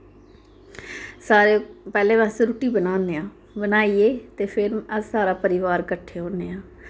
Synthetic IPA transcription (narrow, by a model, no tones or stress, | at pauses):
saːɾeːpɛːlẽːʋãːseɾuːʈiːbənãːnd̪eːãː | bənaːieːt̪eːpʰɪɾməsaːɾaːpəɾɪʋaːɾkəʈʰːeːɦõːneːãː